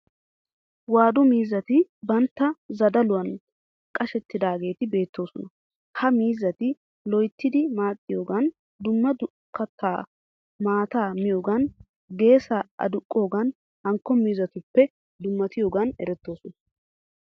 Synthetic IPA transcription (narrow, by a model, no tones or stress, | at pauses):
waːd̪ɔmiːzːɐt̪ɪbɐnt̪ːɐzɐd̪ɐlʊwɐn | kʼɐʃɛt̪ːɪd̪aːɡe̞ːt̪ɪbe̞ːt̪ːo̞ːsɔnɐ | hɐmiːzːɐt̪ɪ | lɔjt̪ːɪd̪ɪmaːt̪ʼːɪjo̞ːɡɐn | d̪ʊmːɐd̪ʊ | kːɐt̪ʰːaː | maːt̪aːmɪjoːɡɐn | ɡe̞ːsɐʔɐ̰d̪ʊkʼːo̞ːɡɐn | hɐŋkːɔmiːzɐt̪ʊpːɛ | d̪ʊmːɐt̪ɪjo̞ːɡɐnɛ̰ɾɛt̪ːo̞ːsɔnɐ